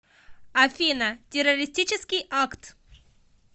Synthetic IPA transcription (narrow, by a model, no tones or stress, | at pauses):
ɐfʲinətʲɪrɐɾʲɪsʲtʲit͡ɕɪskʲɪjakt̪